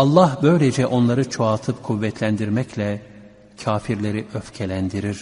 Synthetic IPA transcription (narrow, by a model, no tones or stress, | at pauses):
ɑlˠːahbø̞jlʲed͡ʒɛʔo̞nlˠaɾɯt͡ʃʰoat̪ʰɯpkʰuvːɛt̪ʰlʲænd̪iɾmɛclʲɛ | cʰaːfiɾlʲeɾiʔøfcʰelʲænd̪iɾiɾ̥